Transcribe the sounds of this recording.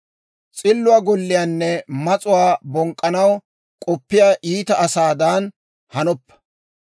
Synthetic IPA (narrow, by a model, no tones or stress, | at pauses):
t͡sʼɪlːʊwaːɡɔlːɪjaːnːɛmɐt͡sʼʊwaːbɔŋkʼːɐnɐw | kʼɔpːɪjaːʔiːt̪ɐʔɐsaːd̪aːn | hɐnɔpːɐ̥